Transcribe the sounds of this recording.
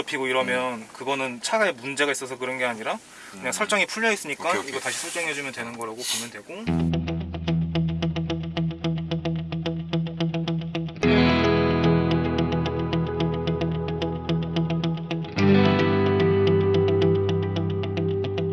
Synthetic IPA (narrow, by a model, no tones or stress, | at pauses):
ʌpʰiɡoiɾʌmjʌnkɯɡʌnɯnt͡ɕʰaɡaemund͡ʑe̞ɡais͈ʌsʰʌkɯɾʌnɡe̞aɲiɾa | kɯɲaŋsʰʌɭt͡ɕ͈ʌŋipʰuɭːʌis͈ɯɲik͈aiɡʌtaɕʰi̥sʰʌɭt͡ɕ͈ʌŋɦe̞d͡ʑumjʌntwe̞nɯnɡʌɾaɡopomjʌndwe̞ɡo